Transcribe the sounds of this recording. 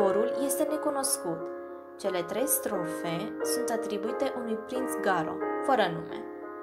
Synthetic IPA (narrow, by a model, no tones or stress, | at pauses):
oɾulje̞st̪e̞ne̞kuno̞skut̪ | t͡ʃe̞le̞t̪ɾe̞jst̪ɾofe̞sunt̪at̪ɾibuit̪e̞ʔunujpɾint̪sɡaɾo̞̰fəɾənume̞̰